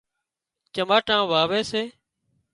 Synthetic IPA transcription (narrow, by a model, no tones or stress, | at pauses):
t͡ʃəmaːʈãːʋaːʋeːseː